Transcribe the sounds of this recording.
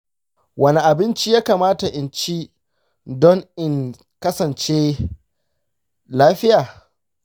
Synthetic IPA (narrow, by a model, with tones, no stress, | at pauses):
wɐ˦ne˨ʔa˨bɪ˦nt͡ʃiː˦jaː˦kaː˨maː˦ta˨ʔɪ˨nt͡ʃi˦ | dɔ˦ŋɪ˨ŋ | kɐ˦sɐ˨nt͡ʃeː˦ | laː˦ɸɪ˦jaː˨